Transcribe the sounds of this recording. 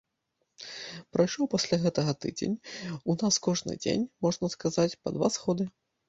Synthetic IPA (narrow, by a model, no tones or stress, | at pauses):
pɾɐjʂɔwpɐsʲlʲaɣɛt̪ɐɣɐt̪ɨ̰d͡zʲḛnʲunaskɔʐnɨ̰d͡zʲḛnʲmɔʐnɐskazat͡sʲpɐ̰d̪va̰sxɔd̪ɨ